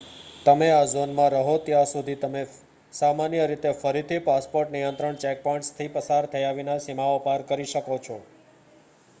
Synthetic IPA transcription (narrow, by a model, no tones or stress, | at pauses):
t̪əmeazonmãɾəɦot̪jãsud̪ʱit̪əme | samanjəɾit̪efəɾit̪ʰipaspoɾʈnijənt̪ɾəɳt͡ʃɛk̚pɔ̃ɳʈst̪ʰipəsaɾt̪ʰəjaʋinasimaopaɾkəɾiʃəkot͡ʃʰɔ